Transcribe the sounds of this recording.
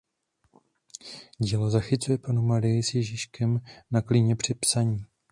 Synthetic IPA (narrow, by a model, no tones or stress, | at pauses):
ɟiːlo̞zaxɪt͡sujɛpanumaɾɪjɪsjɛʒɪʃkɛmnakliɲɛpr̝̥ɪpsaɲiː